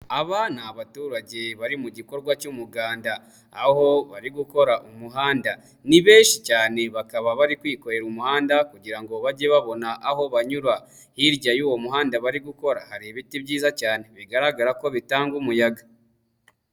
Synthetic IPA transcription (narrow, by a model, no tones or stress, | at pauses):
aβanaβatuːɾaɟe̞βaɾimuɟiko̞ɾɡwacumuɡaːndaː | ho̞βaɾiɡuko̞ɾaʔumuɦaːnda | niβeːnʃicaːne̞βakaβaβaɾikwiːko̞ɾe̞ɾumuhaːndakuɟiɾaŋɡo̞βaɟeβaβo̞naʔaho̞βaɲuɾwa | hiɾɟajuːwo̞muɦaːndaβaɾiɡuko̞ɾahaɾiβitibɟiːzacaːne̞βiɡaɾaɡaɾako̞βitaːŋɡumujaɡa